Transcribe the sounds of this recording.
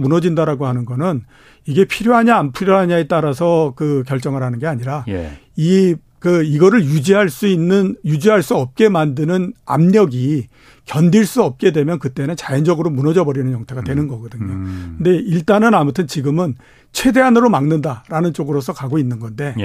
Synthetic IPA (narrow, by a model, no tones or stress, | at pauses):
munʌd͡ʑindaɾaɡoɦanɯnɡʌnɯn | iɡe̞pʰiɾjoɦaɲaːnpʰuɾjʌɦaɲae̞t͈aɾasʰʌkɯk̬jʌɭt͡ɕ͈ʌŋɯɾɦanɯnɡe̞aɲiɾaj | i | kɯiɡʌɾɯɭjud͡ʑiɦaɭs͈uinːɯnjud͡ʑiɦaɭs͈uʌp̚k͈e̞mandɯnɯna̰mɲʌɡi | kjʌndiɭs͈uʌp̚k͈e̞dwe̞mjʌnkɯt͈e̞nɯnt͡ɕajʌnd͡ʑʌɡɯɾomunʌd͡ʑʌbʌɾinɯnjʌŋtʰeɡadwe̞nɯnɡʌɡʌdɯɲokɯnde̞iɭt͈anɯnamutʰɯnt͡ɕiɡɯmɯn | t͡ɕʰe̞de̞ɦanɯɾomaŋnɯndaɾanɯnt͡ɕ͈oɡɯɾosʰʌkaɡoinːɯnɡʌnde̞